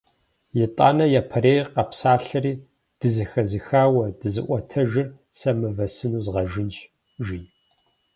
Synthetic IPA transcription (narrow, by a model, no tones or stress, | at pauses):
jɪtʼa̰ːnɐjapʰɐɾeːjqɐpsaːɬɐɾiː | d̥ɨzɨxɐzɨxaːwɐd̥ɨzɨ̰ʔʷɔtʰɐʒɪr | sɐmɨvɐsɨnuːzʁɐʒɪnt͡ʃʼ | ʒi